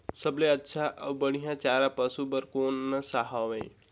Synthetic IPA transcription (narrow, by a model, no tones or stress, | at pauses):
səbleətːʃʰaʔəʋbəɽ̃ijãt͡ʃaːɾapəsubəɾkoːnːəsaɦaʋej